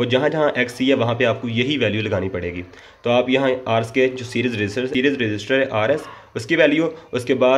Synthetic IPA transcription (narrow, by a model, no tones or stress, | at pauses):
ʋoːd͡ʒɐɦãd͡ʒɐɦãʔɛːksiɦɛʋɐɦãpeaːp̚kojɐɦiʋɛːljulɐɡaːnipɐɽeːɡiː | t̪oːaːpjɐɦãaːɾsked͡ʒoːsiːɾiːzɾɪd͡ʒɪsəɾsiːɾizɾɪd͡ʒɪsʈəɾɦɛʔaːɾɛs | ʊskiʋɛːljuːʊskebaː